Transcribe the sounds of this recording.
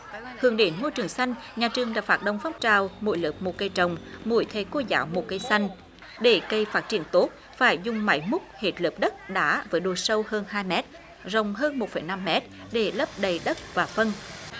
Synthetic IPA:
hɨ̰˨˧˩əŋɗe˨˦nmo˧jt͡ɕɨ˨˩əŋsa˧jŋ̟ | ɲaː˨˩t͡ɕɨ˨˩əŋɗa̰ː˧˥faː˦˥t̚ɗə˧wŋ͡mfaː˦˥p̚t͡ɕaː˧˨˩wmo̰˧˨˦jlɨ˨˩p̚mo˨˩t̚kə˧jt͡ɕə˨˩wŋ͡mmṵ˧˩˦jt̪ʰe˧˩ko˧za̰ː˨˦wmo˨˩t̚kə˧jsa˧jŋ̟ | ɗe˧˩kə˧jfaː˦˥t̚t͡ɕi˧˩ənt̪o˦˥t̚ | faː˧˩jzʊ˨˩ŋ͡mma̰˧˦jmʊ˦˥k͡p̚he˨˩t̚lɨː˨˩p̚ɗə˦˥t̚ɗa̰ː˧˥vəː˨˦jɗo˨˩sə˧whəː˧nhaː˧jmɛ˦˥t̚ | zə˨˩wŋ͡mɦəː˧nmo˨˩t̚fə˨˩jna˧mːɛ˦˥t̚ | ɗe˧˩lə˦˥p̚ɗə˨˩jɗə˦˥t̚vaː˨˩fə˧n

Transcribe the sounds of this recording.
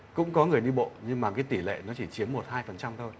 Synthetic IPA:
kʊ̰˧˥ŋ͡mkɔ˨˦ŋɨ˨˩əjɗi˧ɓo̰˧˨ɲɨ˧ŋmaː˨˩kaː˨˦jt̪i˧˩lḛ˧˨nɔ˨˦t͡ɕi˧˩t͡ɕi˨˦əmːo˨˩t̚haː˧jfə˨˩nt͡ɕa˧wŋ͡mt̪ʰo˧j

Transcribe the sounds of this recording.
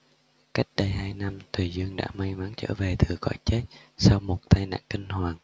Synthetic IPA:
ka˦˥jk̚ɗə˧jɦaː˧jna˧mt̪ʰwi˨˩zɨ˧əŋɗa̰ː˧˥ma˧jma˨˦ŋt͡ɕə̰ː˧˥˩ve˨˩t̪ʰɨ˨˩əkɔ̰˧˥jt͡ɕe˦˥t̚sa˧wmo˨˩t̚t̪aː˧jna̰ː˧˨ŋki˧ŋ̟hwaː˨˩ŋ

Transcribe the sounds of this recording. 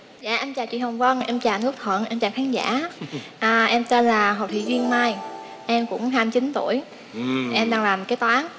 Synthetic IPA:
za̰ː˧˨ʔɛ˧mt͡ɕaː˨˩wt͡ɕḭ˧˨hə˨˩wŋ͡mvə˧nʔɛ˧mt͡ɕaː˨˩nɨ˦˥k̚t̪ʰwə̰˧˨nʔɛ˧mt͡ɕaː˨˩wkʰaː˨˦nza̰ː˧˥ʔəː˨˩ʔɛ˧mt̪e˧nlaː˨˩ɦə̰˨˩w̚t̪ʰḭ˧˨vi˧əŋmaː˧j | ʔɛ˧mkʊ̰˧˥ŋ͡mɦaː˧mt͡ɕi˨˦nt̪u˧˩əj | ʔɛ˧mɗaː˧ŋlaː˨˩mkaː˨˦jt̪waː˨˦n

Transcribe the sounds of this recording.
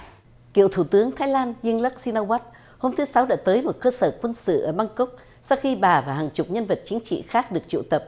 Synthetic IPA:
ki˧˨əwt̪ʰu˧˩t̪ɨ˨˦əŋt̪ʰaː˨˦jlaː˧nzi˧əŋlə˦˥k̚si˧na˧waː˦˥t̚ | ho˧mt̪ʰɨ˨˦sa˨˦wɗa̰ː˧˥t̪əː˨˦jmo˨˩t̚kəː˧səː˧˩kwə˧nsɨ̰˧˨ʔəː˧˩ɓaː˧ŋkə˦˥wk͡p̚ | sa˧wxi˧ɓaː˨˩vaː˨˩ɦaː˨˩ŋt͡ɕʊ˨˩k͡p̚ɲə˧nvə˨˩t̚t͡ɕi˨˦ŋ̟t͡ɕḭ˧˨xaː˦˥k̚ɗɨ˨˩ək̚t͡ɕḭ˧˨wt̪ə˨˩p̚

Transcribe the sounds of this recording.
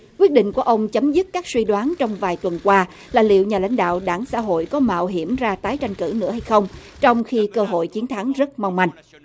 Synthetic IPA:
kkwi˦˥ət̚ɗḭ˧˨ŋ̟ku˧˩əʔə˧wŋ͡mt͡ɕə˨˦mzɨ˦˥t̚kaː˦˥k̚swi˧ɗwaː˨˦nt͡ɕɔ˧wŋ͡mvaː˨˩jt̪wə˨˩nkwaː˧ | laː˨˩lḭ˧˨əwɲaː˨˩la̰˧˥jŋ̟ɗa̰ː˧˨wɗaː˧˩ŋsa̰ː˧˥ɦo̰˧˨jkɔ˨˦ma̰ː˧˨wɦi˧˩əmzaː˧t̪aː˨˦jt͡ɕa˧jŋ̟kɨ̰˧˩nɨ̰˧˥əha˧jxə˧wŋ͡m | t͡ɕɔ˧wŋ͡mxi˧kəː˧ɦo̰˧˨jt͡ɕi˨˦ənt̪ʰa˨˦ŋzə˦˥t̚ma˧wŋ͡mma˧˩jŋ̟

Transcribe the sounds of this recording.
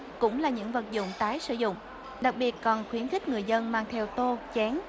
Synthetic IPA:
kʊ̰˧˥ŋ͡mlaː˨˩ɲɨ̰˧˥ŋvə˨˩t̚zʊ̰˧˨ŋ͡mt̪aː˨˦jsɨ̰˧˨zʊ̰˧˨ŋ͡m | ɗa˨˩k̚ɓi˨˩ət̚kɔ˨˩nxwi˨˦ənxï˦˥k̟̚ŋɨ˨˩əjzə˧nmaː˧ŋt̪ʰɛ˧wt̪o˧t͡ɕɛ˨˦ŋ

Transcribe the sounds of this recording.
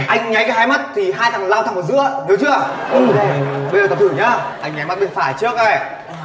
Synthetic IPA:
ʔa˧jŋ̟ɲa˨˦jka˨˦haː˧jma˦˥t̚t̪ʰi˨˩ɦaː˧jt̪ʰa˨˩m˨˩la˧wt̪ʰa˧˩ŋm˨˩tzɨ̰˧˥əni˨˦wt͡ɕɨ˦˥ə˨˩˧ | ɓə˧jzə˨˩t̪̚t̪ʰɨ˧˩ɲa˨˧˦ʔa˧jŋɲa˨˦ma˦˥t̚ɓḭ˧˨ənfaː˧˩jt͡ɕɨ˦˥ək̚a˧˩j

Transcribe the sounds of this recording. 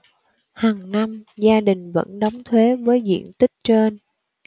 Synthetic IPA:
haː˨˩ŋna˧mzaː˧ɗï˨˩ŋ̟və̰˧˥nɗɔ˨˦wŋ͡mt̪ʰwe˨˦vəː˨˦jzḭ˧˨ənt̪ï˦˥k̚t͡ɕe˧n

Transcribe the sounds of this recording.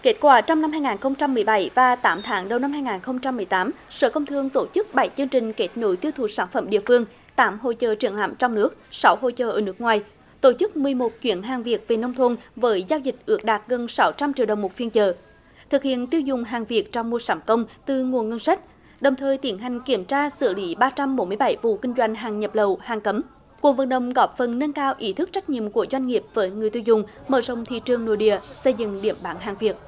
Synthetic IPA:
ke˦˥t̚kwaː˧˩t͡ɕɔ˧wŋ͡mna˧mɦaː˧jŋaː˨˩nxə˧wŋ͡mt͡ɕa˧mːɨ˨˩əjɓa˧˩jvaː˨˩t̪aː˨˦mt̪ʰaː˨˦ŋɗə˨˩wna˧mhaː˧jŋaː˨˩nxə˧wŋ͡mt͡ɕa˧mːɨ˨˩əjt̪aː˨˦m | sə̰ː˧˩kə˧wŋ͡mt̪ʰɨ˧əŋt̪o˧˩t͡ɕɨ˦˥k̚ɓa˧˩˦jt͡ɕɨ˧əŋt͡ɕï˨˩ŋ̟ke˦˥t̚no̰˧˨˦jt̪i˧əwt̪ʰu˨˩saː˧˩nfə˧˥mɗḭ˧˨əfɨ˧əŋ | t̪aː˨˦mɦo̰˧˨t͡ɕəː˨˩t͡ɕi˧˩əŋla̰ː˧˩mt͡ɕɔ˧wŋ͡mnɨ˦˥ək̚sa˨˦wɦo̰˧˨t͡ɕəː˨˩ʔəː˧˩nɨ˦˥ək̚ŋwaː˨˩j | t̪o˧˩t͡ɕɨ˦˥k̚mɨ˨˩əjmo˨˩t̚t͡ɕwḭ˧˥ənɦaː˨˩ŋvi˨˩ək̚ve˨˩nə˧wŋ͡mt̪ʰo˧nvəː˨˦jzaː˧wzï˨˩k̟̚ʔɨ̰˨˦˥ək̚ɗaː˨˩t̚ɣə˨˩nsa˨˦wt͡ɕa˧mt͡ɕḭ˨ɗə˨˩wŋ͡mmo˨˩t̚fi˧ənt͡ɕəː˨˩ | t̪ʰɨ˨˩k̚hḭ˧˨ənt̪i˧əwzʊ˨˩ŋ͡mɦaː˨˩ŋvi˨˩ət̚t͡ɕɔ˧wŋ͡mmu˧əsaː˨˦mkə˧wŋ͡mt̪ɨ˨˩ŋu˨˩ənŋə˧nsa˦˥k̟̚ | ɗə˨˩wŋ͡mt̪ʰəː˨˩jt̪i˨˧˦ənɦa˨˩jŋ̟ki˧˩əmt͡ɕaː˧sɨ̰˧˩əli˨˦ɓaː˧t͡ɕa˧mɓo˨˦nmɨ˧əjɓa˧˩˦jvṵ˧˨kï˧ŋ̟zwa˧˩jŋ̟ɦaː˨˩ŋɲə˨˩p̚lə˨˩whaː˨˩ŋkə˨˦m | ku˨˩ək̚və˨˩nɗə̰˧˨wŋ͡mɣɔ˨˦˥p̚fə˨˩nnə˧nkaː˧wʔi˨˦t̪ʰɨ˦˥k̚t͡ɕa˦˥k̟̚ɲḭ˧˨əmku˧˩əzwa˧jŋ̟ŋi˨˩əp̚vəː˨˦jŋɨ˨˩əjt̪i˧wzʊ˨˩ŋ͡mməː˧˩zə̰˨wŋ͡mt̪ʰḭ˧˨t͡ɕɨ˨˩əŋno̰˧˩˦jɗḭ˧˨əsə˧jzɨ̰˧˨ŋɗḭ˧˩əmɓaː˨˦nɦaː˨˩ŋvi˨˩ət̚

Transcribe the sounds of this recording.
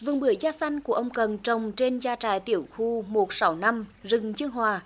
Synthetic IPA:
vɨ˨˩əŋɓɨ˧˩əjzaː˧sa˧jŋ̟ku˧˩əʔə˧wŋ͡mkə˨˩nt͡ɕə˨˩wŋ͡mt͡ɕe˧nzaː˧t͡ɕaː˨˩jt̪i˧˩əwxu˧mo˨˩t̚sa˨˦wna˧mzɨ˨˩ŋt͡ɕɨ˧əŋɦwaː˨˩

